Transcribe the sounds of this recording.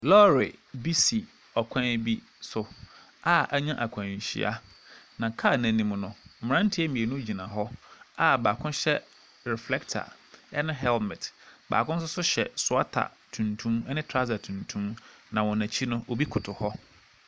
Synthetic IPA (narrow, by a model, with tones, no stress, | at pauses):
lɔ˦ɾɪ˨bi˦si˨ | ɔ˨kʷʰã˦bi˦ | sʊ˨ | a˦˨æ˦ɲã˦ʔa˨kʷʰã˨ɕḭ˦ʔa̰˦ | nã˨kʰa˦˨næ̃˨nĩ˨m̃˨nʊ̃˨m̩˨mɪ̃˨ɾã˦n̩˦tʰɪ˦ɛ˦mĩ˨e˨nʊ̃˦d͡ʑi˨nã˨ɦɔ˦a˦baː˨kʰʊ̃˦n˦ɕɛ˦ | ɾɛ˨flɛ˦ktʰa̰˨ | ɛ̰˦nʊ̃˦ɦɛ˦lmɪ̃˨tba̰ː˨kʰʊ̃˦n̩˦s̬ʊ˦sʊ˦ɕɛ̰˨sʊ˨a˦tʰa̰˨ | tʰũ˨ntʰũ˦m˦nɪ̃˦tʰɾa˦za˨tʰũ˨ntʰũ˦m | nã˨wɔ̃˨næ̃˨t͡ɕʰi˦nʊ̃˦o˨bi˦kʰʊ˨tʰʊ˨hɔ˦